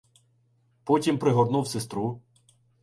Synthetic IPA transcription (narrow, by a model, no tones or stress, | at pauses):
pɔtʲimpɾɪɦɔd̪nuwsest̪ɾu